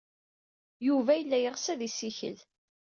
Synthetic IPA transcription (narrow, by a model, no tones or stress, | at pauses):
juvæjəlːæjəʁsæðisiçə̰l